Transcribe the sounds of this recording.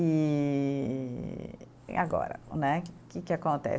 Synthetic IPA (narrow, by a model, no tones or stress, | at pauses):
i | a̰ɡɔ̰ɾɐ̰nɛkɪkɪakõnt̪ɛ̰